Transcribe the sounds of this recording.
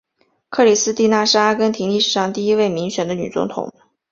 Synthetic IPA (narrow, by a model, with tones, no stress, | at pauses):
kʰɤ˥˩li˨˩sɹ̩˥t̪i˥˧na˥˩ʂ̩˥a˥kə˥nt̪ʰi˧˥ŋli˥˩ʂɻ̩˨˩ʂɑ˥˧ŋt̪i˥˩i˥we˥˩ɪmi˧˥ŋɕɥɛ˨˩nd̪ə˦ny̰˨˩t͡sʊ̰˧˥ŋt̪ʰʊ̰˨˩˦ŋ